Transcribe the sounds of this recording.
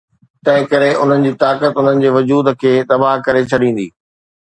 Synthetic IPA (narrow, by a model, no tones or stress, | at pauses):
t̪ɐ̃ɦɪ̃kɐɾeʔʊn̤ənɪ̆d͡ʑiːt̪aːkət̪ʊn̤ənɪ̆d͡ʑeːʋʊd͡ʑuːd̪kʰeːt̪ɐbaːɦkɐɾet͡ɕʰɐɗĩːn̆d̪iː